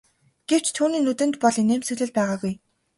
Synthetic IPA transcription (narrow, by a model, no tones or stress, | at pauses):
ɡ̥ew̥t͡ɕt̪ʰuːniːnɵt̪ɘ̆nt̪pɔɮineːmsɵɮɘ̆ɮpæːʁaːɣuj